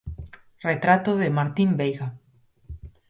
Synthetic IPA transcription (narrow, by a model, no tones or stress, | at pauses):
ret̪ɾat̪oðemaɾt̪imbejɣa